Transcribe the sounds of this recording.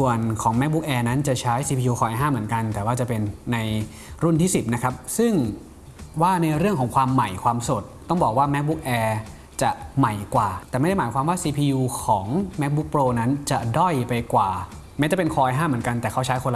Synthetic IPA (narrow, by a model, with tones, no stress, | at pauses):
su˨˩ənkʰɔː˩˦ŋmɛ˦˥bu˦˥k̚ʔɛː˧na˦˥nt͡ɕa˨˩t͡ɕʰa˦˥jsiː˧pʰiː˧juː˧kʰɔː˧ʔaː˧jɦaː˥˩mɯ˩˦ənŋka˧nt̪ɛː˨˩waː˥˩t͡ɕa˨˩pe˧nːa˧j | ɾu˥˩nt̪ʰiː˥˩si˨˩p̚na˦˥kʰa˦˥p̚sɯ˥˩ŋ | waː˥˩na˧jɾɯ˥˩əŋkʰɔː˩˦ŋkʰwaː˧mːa˨˩jkʰwaː˧mso˨˩t̪̚ːɔ˥˩ŋbɔː˨˩k̚waː˥˩mɛ˦˥bu˦˥k̚ʔɛː˧ | t͡ɕa˨˩ʔma˨˩jkwaː˨˩t̪ɛː˨˩ma˥˩jda˥˩maː˩˦jkʰwaː˧mwaː˥˩siː˧pʰiː˧juː˧kʰɔː˩˦ŋmɛ˦˥k̚bu˦˥k̚pɾoː˧na˦˥nt͡ɕa˨˩dɔ˥˩jpa˧jkwaː˨˩ | mɛ˧˦˥t͡ɕa˨˩pe˧nkʰɔː˧ʔaː˧jɦaː˥˩mɯ˩˦ənka˧nt̪ɛː˨˩kʰa˦˥wt͡ɕʰa˦˥jkʰo˧la˧